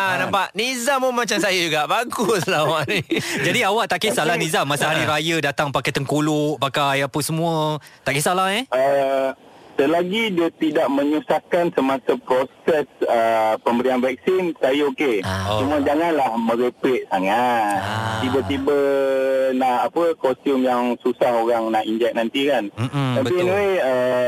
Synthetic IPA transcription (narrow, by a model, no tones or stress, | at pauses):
anampaʔnizamomat͡ʃamsajəd͡ʒuɡaʔbaɡʊslawaʔnĩd͡ʒadiawaʔt̪aʔkisalahnizamasaɦaɾiɾajədat̪aŋpakajt̪əŋkulʊʔpakajapəsəmũət̪aʔkisalahɛʔə | t̪əlaɡidiət̪idaʔ̚mə̃ɲusahkansəmasapɾosɛsəpəmbəɾianvɛk̚sinsajokeoumuəd͡ʒaŋanlahməɾepleʔ̚saŋattt̪̚t̪ibət̪ibə | naʔapəkɔst̪jumjaŋsusahoɾaŋnaʔiɲd͡ʒɛk̚nant̪ikanm̩t̪apiɛnweə